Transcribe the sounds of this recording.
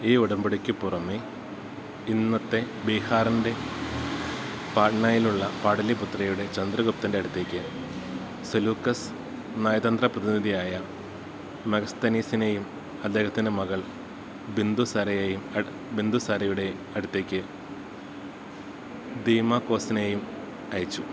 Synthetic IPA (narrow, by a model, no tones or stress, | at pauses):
iːuɽɐmbɐɽikʲːɨpurɐme | inːɐt̪ːe̞ | biːhaːrɐnde̞ | paːʈɳaːjiluɭːɐpaːɽɐliput̪rɐjuɽe̞t͡ɕɐnd̪rɐɣup̚t̪ːinde̞ɐɽut̪ːeːkʲːɨ | sɐluːkːɐs | naːjɐd̪ɐnd̪rɐprɐðiniðijaːjɐ | mɐɣɐst̪ɐniːsinejum | ɐd̪ːe̞ːhɐt̪ːinɨmɐɣɐɭ | bind̪usɐɾɐjejum | bind̪usɐɾɐjuɽe̞ | ɐɽut̪ːeːkʲːɨ | d̪iːmaːkːo̞ːsine̞ːjum | ɐjɐt͡ɕːu